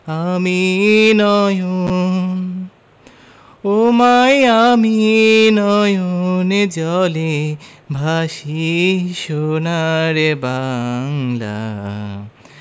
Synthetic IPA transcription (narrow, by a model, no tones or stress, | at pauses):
aminʌju | omajaminɔjuned͡ʒɔlibʱasisonaɾebaŋla̰